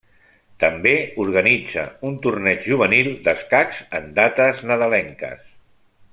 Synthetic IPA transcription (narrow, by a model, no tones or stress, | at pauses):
t̪əmbeuɾɣənid͡zə̰unt̪urnɛd͡ʒʒuβ̞ənilˠd̪əskakz̥ənd̪at̪əznəðəlɛŋkə̰s